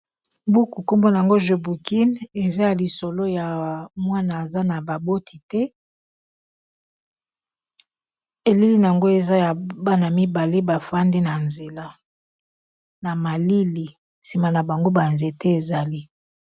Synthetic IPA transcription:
bu˦ku˨ko˦mbo˦na˨a˨ŋɡo˦ʒe˨bu˨ki˦ne˨za˦ja˨li˨so˨lo˦ja˨mwa˦na˨a˨za˦na˨ba˨bo˦tʰi̥˨tɛ˦ | e˨li˦li˦n˨a˨ŋɡo˦e˨za˦ja˨ba˦na˨mi˦ba˨le˦ba˨fa˦nde˦na˨nze˨la˦ | na˨ma˨li˦li˨ | si˨ma˨na˨ba˨ŋɡo˦ba˨nze˨tɛ˦e˨za˨li˦

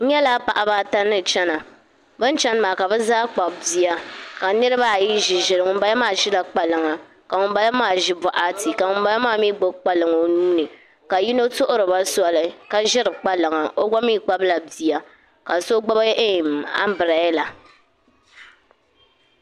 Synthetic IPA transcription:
ɲɛ˦la˦pa˨ʔa˨ba˦ta˦nːɨ˦t͡ʃɛ˦na˨ | bɨ˦n˦t͡ʃɛ˦n˦maː˨ka˨bɛ˦zaː˦k͡pa˨bbi˨a˦ka˨nɨ˦ɾɨ˦ba˦˨ji˦ʒɪ˨ʒɪ˨ɾɨ˨ŋʊ˦m˦ba˦ja˦maː˦˨ʒɪ˦la˨k͡pa˨lɨ˨ŋa˨ | ka˨ŋʊ˨m˦ba˦la˦maː˦˨ʒɪ˦bɔ˨ʔa˦ti˨ka˨ŋʊ˨˦mba˦la˦maː˦˨miː˦ɡ͡bo˦k͡pa˨lɨ˨ŋo˦nuː˦nɨ˨ | ka˨ji˦no˦tʊ˦ʔʊ˦ɾɨ˨ba˦sa˦˨lɨ˦ka˨ʒɪ˦ɾɨ˨k͡pa˦lɨ˨ŋa˨ʔo˦ɡa˦miː˦k͡pa˦bla˨bi˨ja˨ | ka˨so˦ɡ͡ba˦ba˦jɛ˦ʔe˦˨m˨a̰˦m˦bɨ˨ɾa˨jɪ˦la˨

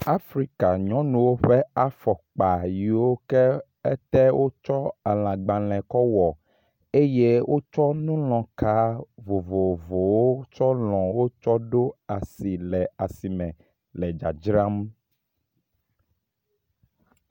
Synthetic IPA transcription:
a˦fɾi˦ka˨ɲɔ̃˦nũ˨wo˦ɸɛ˦a˦fɔ˨k͡pa˨ji˨wo˦kɛ˦ | ɛ˦t̪ɛ˦wʔo˦t͡ʃɔ˦a˨l̃ã˨ɡ͡bã˨lɛ̃˨kɔ˦wɔ˨ | e˦je˦wʔo˦t͡ʃɔ˦nũ˦lɔ̃˨ka˦vo˨vo˨vo˨wo˦t͡ʃɔ˦lɔ̃˨wo˦t͡ʃɔ˦ɖo˦a˨si˨lɛ˨a˨si˨mɛ̃˨ | lɛ˨d͡ʒa˨d͡ʒɾã˦m

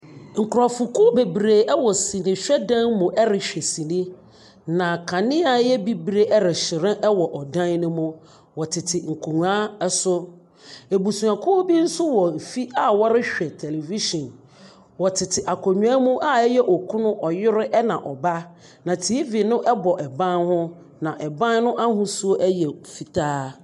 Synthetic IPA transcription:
ŋ̩˨kʰʊ˨ɾɔ˨fʊ˨kʊ˦be˨bɾe˨ɛ˦wɔ˨sĩ˨nɪ̃˨ɕᶣɛ˦dã˦nmʊ̃˨ʔɛ˦ɾɪ˨ɕᶣɛ˨sĩ˨nĩ˦ | nã˨kʰã˨nɪ̃˦a˨jɛ˦bi˦bɾe˦ʔɛ˦ɾɪ˨ɕɪ˨ɾɪ̃˦ʔɛ˦wɔ˨ʔɔ˨dã˦nnʊ̃˦mʊ̃˦ | wɔ˨tʰɪ˨tʰɪ˨ŋ̩˨kʰu˨n˨a˦ɛ˦sʊ˦ | e˨bu˨sũ˨ã˨kʰʊ˦ɔ˦bi˦n̩˦sʊ˦wɔ˨m̩˨fi˦a˦wɔ˦ɾɪ˦ɕᶣɛ˨tʰɛ˨le˨vi˦ʃɔ̃˨n | wɔ˨tʰɪ˨tʰɪ˨ʔa˨kʰɔ˨ɲᶣu˨˦a˦mũ˦ʔa˦ɛ˦jɛ˦ʔɔ˨kʰũ˦nʊ̃˦ʔɔ˨jɪ˦ɾɪ˦ʔɛ˦nã˨ʔɔ˨ba˦ | nã˨tʰi˨˦i˦vi˨nʊ̃˦ʔɛ˦bɔ˨ʔɛ˨bã˦nhʊ̃˦ | nã˨ʔɛ˨bã˦nnʊ̃˦ʔa˦ɦʊ̃˦su˦o˦ʔɛ˦jɛ˨fi˨tʰaː˦

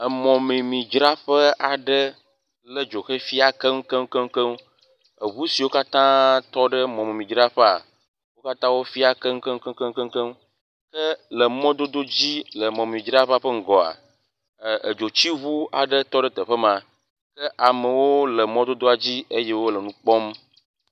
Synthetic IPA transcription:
ə˨mɔ̃˨mẽ˨mĩ˨d͡ʒɾa˦ɸə˦a˨ɖə˦ | lə˦d͡ʒo˨xe˦fi˦a˨kə˦ŋ˦kə˦m˦kə˦ŋ˦kə˦m˦ | ə˨βu˦si˨wo˦ka˦t̪ã˦t̪ɔ˦ɖə˦mɔ̃˨me˨mĩ˨d͡ʒɾa˦ɸə˦a̰˨ | wo˦ka˦t̪ã˦wo˦fi˦a˨kə˦ŋ̩˦kə˦ŋ˦kə̃˦ŋ˦kə˦ŋ˦kə˦ŋ˦kə˦m˦ | kə˦lə˨mɔ̃˦d̪o˦d̪o˦d͡ʑi˦lə˨mɔ̃˨m˨mĩ˨d͡ʒɾa˦ɸa˦ɸə˦ŋ̩˦ɡɔ˨a̰˨ | ə˨d͡ʒo˨t͡ɕi˦βu˦a̰˨ɖə˦t̪ɔ˦ɖə˦t̪ə˨ɸə˦mã˨ | kə˦ʔa˨mə˨wo˦lə˨mɔ̃˦d̪o˦d̪o˦a˨d͡ʑi˦e˦je˦wo˦lə˨nũ˦k͡pɔ˦m

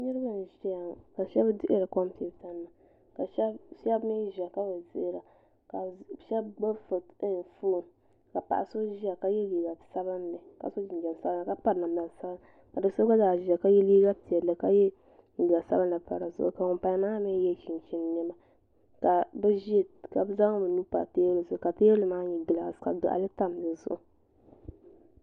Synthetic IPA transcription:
nɨ˦ɾɨ˦ba˦˨n˨ʒi˦a˨ka˨ʃɛ˦bdɪ˦ʔɪ˦ɾa˨ko˦m˦pi˨ta˦nː˦a˨ | ka˨ʃɛ˦ʃɛ˦bmi˦ʒi˨a˨ka˦bɨ˨zɪ˦ʔɾa˨ | ka˨ʃɛ˦bɡ͡bo˦fɨ˨tɨ˦n˨fu˦˨ | ka˨pa̰˨ʔa˨so˦ʒi˦a˨ka˦jɛ˦li˨ɡa˨sa˦ba˦n˦lɨ˨ka̰˨so˦d͡ʒi˨n˨d͡ʒa˨n˨sa˦ba˦n˨a˨ka˦pa˦ɾna˨m˨la˨sa˦ba˦n | ka˨dɨ˨so˦ɡa˦zaː˨ʒi˨a˨ka˦jɛ˦li˦ɡa˦pi˨ɛ˨ɨ˨ka˦jɛ˦˨ | ɡi˨a˨sa˦ba˦nla˨pa̰˨ɾa˨zʊ̰˦ʔʊ̰˨ka˨ŋʊ˨mpa˦naː˦mɛ˦jɛ˦ʃi˨n˨t͡ʃi˦n˨nɛ˦ba˦ | ka˨bɛ˦ʒka˨bza˦ŋ˦bɨ˨nu˦pa̰˨teː˦lɨ˨sʊ˦˨ka˨te˦lɨ˦maː˦ɲɛ˨ɡɨ˨la˨ka̰˨dʊ̰˨ʔa̰˨lɨ˦ta˦m˨dɨ˨zʊ̰˨ʔʊ˨

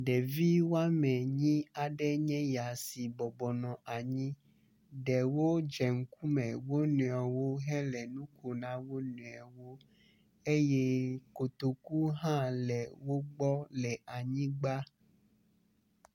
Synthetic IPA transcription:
ɖɛ˨vi˦wo˦a˦mɛ̃˨ɲĩ˦a˨ɖɛ˦ɲɛ̃˦ja˨si˨bɔ˨bɔ˨nɔ̃˨ʔa˨ɲĩ˦ | ɖɛ˨wo˦d͡ʒɛ˨ŋ̩˦ku˦mɛ̃˨wo˦nũ˨a˨wo˦ɦɛ˦lɛ˨nũ˦ko˨nã˦wo˦nũ˨a˨wo˦ | e˦jɛ˦ko˨t̪o˨ku˦ɦã˦lɛ˨wo˦ɡ͡bɔ˦lɛ˨ʔa˨ɲĩ˦ɡ͡ba˦

